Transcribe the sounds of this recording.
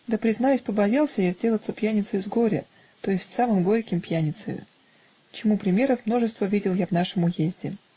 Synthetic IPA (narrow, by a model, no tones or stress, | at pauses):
d̪əpɾʲɪznajʊsʲpəbɐjelˠsʲəjazʲdʲe̞lˠət̪səpʲjænʲɪt̪səjʊzɡo̞ɾʲɪ̰ | t̪o̞jɪsʲtʲsamɨmɡo̞ɾʲkʲɪmpjænʲɪt̪sə̰jʊ̰ | t͡ɕɪmupɾʲɪmʲe̞ɾəfmno̞ʐɨst̪vəvʲidʲɪlˠjavnaʂɨmʊjezʲdʲɪ